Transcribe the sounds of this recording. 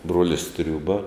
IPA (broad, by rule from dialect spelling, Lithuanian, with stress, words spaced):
ˈbruɔlʲɪs ˈtʲrʲuːbɐ